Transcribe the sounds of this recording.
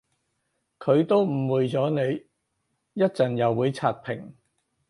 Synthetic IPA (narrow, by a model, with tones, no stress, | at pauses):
kʰɵ˨˧ɥt̪o˥wm̩˨˩wuː˨˧jt͡sɔː˨˥ne˨˧j | jɐ˥t̚t͡sɐ˨˩njɐ˨wːuː˨˧jt͡sʰaː˨t̚pʰɪ˨˩ŋ